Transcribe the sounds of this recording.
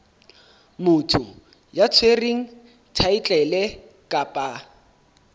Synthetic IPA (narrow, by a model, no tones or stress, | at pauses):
mʊtʰʊ | jat͡sʰweriŋ̩ | tʰait͡ɬʼɛlɛ | kʼapʼa